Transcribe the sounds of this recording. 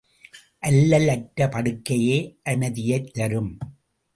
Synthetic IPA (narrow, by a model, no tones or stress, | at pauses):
ʔɐlːɐlɐʈːɐpɐɽɯkːɐjeːʔɐmɐðɪjɐɪt̪ːɐɾɯm